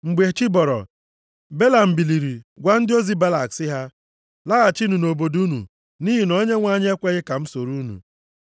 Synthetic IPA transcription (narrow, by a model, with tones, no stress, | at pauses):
ŋ͡m̩˨ɡ͡be˨t͡ʃi˦bɔ˨ɾɔ̰˨ | be˦la˨m̩˨bi˨li˨ɾi˨ɡʷa˦n̩˦dɪ˦o˦zi˦ba˦la˨ksɪ˦ɦa˦ | la˦ɣa˨t͡ʃi˦nu˨no˨bo˨du˦nṵ˨ | niː˦ɦi˨nɔ˦ɲe˦ŋʷa˦˨ɲɪ˦e˦kʷe˦ɣɪ˦ka˨m̩˦so˨ɾu˦nṵ˨